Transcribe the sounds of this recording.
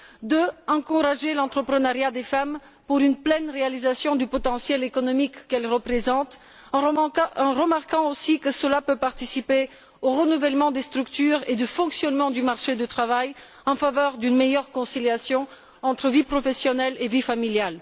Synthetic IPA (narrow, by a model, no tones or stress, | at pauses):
d̪əɑ̃kuʁaʒelɑ̃t̪χəpχənaʁjad̪efam | puʁynplɛnʁealizasjɔ̃d̪ypɔt̪ɑ̃sjɛlekɔnɔmikːɛlʁəpχezɑ̃t̪ | ɑ̃ʁəmaʁkɑ̃osikəsəlapøpaʁt̪isipe | oʁənuvɛlmɑ̃d̪est̪χykt̪yʁed̪əfɔ̃ksjɔnmɑ̃d̪ymaʁʃed̪ət̪χavaj | ɑ̃favœʁd̪ynmejœʁkɔ̃siljasjɔ̃ | ɑ̃t̪χəvipχɔfɛsjɔnɛlevifamiljal